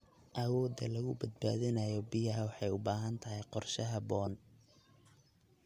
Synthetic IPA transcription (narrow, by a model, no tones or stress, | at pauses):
ʔɐwɔːd̪ɐ̰lɐɣʊbɐd̪̚ba̰ːðɪnɐjɔbɪjɐɦɐwɑħɑjʊbaːɦɐnt̪ʰɐɦɛjqɔrʃɐɦɐbɔːn